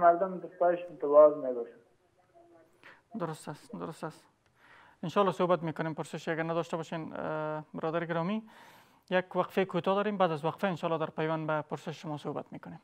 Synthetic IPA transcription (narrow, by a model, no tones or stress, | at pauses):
maɾd̪ʊmd̪əspaɪʃɪnt̪ɪwɑzmeɡuɾ | d̪ʊɾʊst̪ast̪d̪ʊɾʊst̪as | ɪnʃɑlːɒsohbat̪mekʊnempʊɾsɪʃaɡaɾnad̪ɔʃt̪abɔʃenbɪɾɒd̪aɾɪɡɪɾɒmi | jakwaqfejkʰot̪ɒd̪ɒːɾembaːd̪azwaqfaɪnʃɑlːɒːd̪aɾpajwanbapʊɾsɪʃʃʊmɒsohba̰t̪mekʊnem